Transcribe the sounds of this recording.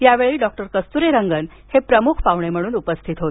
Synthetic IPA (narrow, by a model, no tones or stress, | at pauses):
jaʋeɭiːɖɔk̚ʈəɾkəst̪uɾeɾəŋɡən | hepɾəmukʰpaʋɳem̤əɽ̃uːnupəst̪ʰit̪ɦot̪